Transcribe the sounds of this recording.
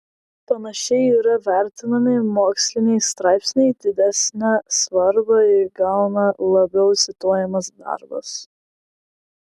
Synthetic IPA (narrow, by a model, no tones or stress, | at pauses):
pɐnɐʃʲɛɪiɾɐʋʲæˑɾʲt̪ʲɪnɐmʲɪmoːksʲlʲɪnʲɛɪst̪ɾɑˑɪpʲsʲnʲɛɪd̪ʲɪd̪ʲæsʲnʲæsʋɐɾbɐɪɡɑˑʊnɐlˠɐbʲɛʊsʲɪt̪oːjɛmɐsd̪ɑ̰ɾbɐ̰s